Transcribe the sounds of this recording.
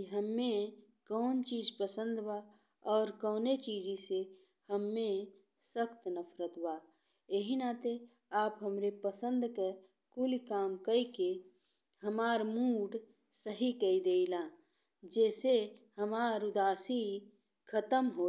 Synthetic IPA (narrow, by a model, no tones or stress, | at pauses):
ɦəmːẽ | kɔːnt͡ʃiːd͡ʒpəsə̃nd̪ba | ɔːɾkɔːnet͡ʃiːd͡ʒise | həmːẽ | səkt̪nəpʰɾət̪baː | eɦinat̪e | aːpɦəmɾepəsə̃nd̪ke | kʊlikaːmkəike | həmaːɾmuːɖ | səɦikəid̪eːilãː | d͡ʒɛːsehəmaːɾʊd̪aːsi | kʰət̪əmɦoː